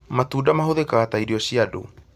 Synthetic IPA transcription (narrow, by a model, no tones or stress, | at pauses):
mat̪udamaɦoðekat̪ajɾiosiadṵ